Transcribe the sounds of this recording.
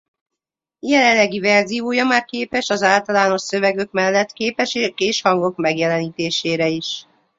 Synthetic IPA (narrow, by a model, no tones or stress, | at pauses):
jɛlɛnlːɛɡivɛrzijoːjɒmaːrkeːpɛʃɒzaːlt̪ɒlaːno̞ʃsøvɛɡø̞kmɛlːɛt̪keːpɛʃeːʃkeːʃhɒŋɡo̞kmɛɡjɛlɛniːt̪eːʃeːɾɛiʃ